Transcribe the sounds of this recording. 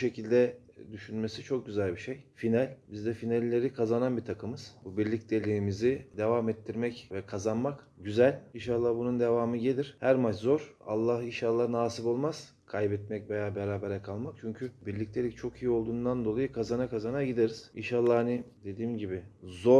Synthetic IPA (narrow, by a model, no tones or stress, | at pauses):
ʃe̞cʰilʲd̪ɛ | d̪yʃynme̞sit͡ʃʰo̞k̚ɟyzælʲbiʃejfinælʲbizd̪ɛfinalʲːe̞ɾikʰazananbit̪ʰakʰɯmɯz̥bubiɾlʲic̚t̪ʰelʲimizid̪e̞vamɛt̪ʰːiɾmɛcvɛkʰazanmakɟyzælʲinʃalˠːahbunund̪e̞vaːmɯɟe̞lʲiɾ̥hæɾmat͡ʃzo̞ɾ̥a̰lˠːahinʃalˠːanaːsibo̞lˠmaz̥ | kʰajbɛt̪̚mɛcvejaːbeɾaːbeɾɛkʰalˠmak̚t͡ʃʰyɲcʰybiɾlʲic̚t̪ʰe̞lʲic̚t͡ʃʰo̞kʰijiolˠd̪uːnd̪and̪o̞lˠajɯkʰazanakʰazanaɟid̪eɾiz̥inʃalˠːahanid̪e̞d̪iːmɟibɪzo